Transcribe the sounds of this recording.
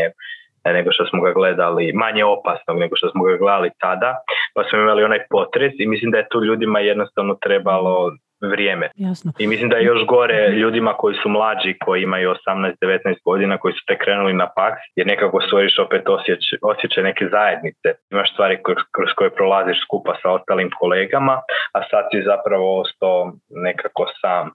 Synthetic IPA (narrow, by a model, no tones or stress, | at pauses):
e | ne̞ɡoʃt̪osmoɡaɡled̪alimaɲe̞o̞pasno̞ɡne̞ɡoʃt̪osmoɡaɡled̪alit̪ad̪apasmoimalio̞najpo̞t̪ɾesimislimd̪ajet̪uːʎuːd̪imajed̪nost̪aʋno̞t̪ɾe̞balˠo̞ | ʋɾjeːmeimislimd̪ajejo̞ʃɡo̞ɾe̞ʎuːd̪imako̞jisumlˠaːd͡ʒikʰo̞jiimajuosamnajst̪̚d̪e̞ʋe̞t̪najst̪̚ɡo̞d̪inako̞jisu̥pɾekɾeːnulinapaksjeɾne̞kakost̪ʋo̞ɾiʃo̞pet̪osjeo̞sje̞t͡ʃajne̞ke̞zaje̞d̪nit̪seimaʃst̪ʋaːɾikkɾosko̞jepɾolˠaziʃskupasao̞st̪alimkʰo̞leːɡamaasad̪sizapɾaʋo̞ost̪aone̞kako̞saːm